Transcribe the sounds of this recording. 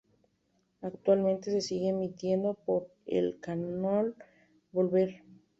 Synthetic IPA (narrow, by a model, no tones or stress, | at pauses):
akt̪walmẽnt̪e̞sesiɣemit̪je̞nd̪opoɾḛlkanol | bo̞lβeɾ